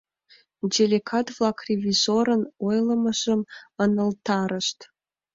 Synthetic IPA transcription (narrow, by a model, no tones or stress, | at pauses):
dʲelʲekʰat̪vlˠɑkrʲevʲizoɾənojlˠəməʒəmənəlt̪ɑɾəʃt̪